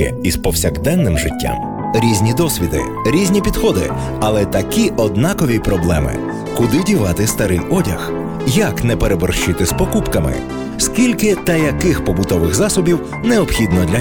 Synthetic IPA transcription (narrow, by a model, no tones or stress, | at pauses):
ɛ̰ispɔwsʲɐɡd̪ɛnːɪmʒɪtʲːa̰m | ɾʲizʲnʲid̪ɔsʲʋʲid̪ɪ̰ | ɾʲizʲnʲipʲid̪xɔd̪ɪ̰ | ɐlˠɛt̪ɐkiʔɔd̪nɑkɔʋʲipɾɔblˠɛmɪ̰ | kʊd̪ɪdʲiʋɑt̪ɪst̪ɐɾɪjɔdʲɐ̰x | jɐknɛpeɾebɔrʃt͡ʃɪt̪ɪspɔkupkɐmɪ̰ | skʲilʲkɪt̪ɐjɐkɪxpɔbʊt̪ɔʋɪɣzɑsɔbʲiw | neɔbxʲid̪nɔd̪lʲɐ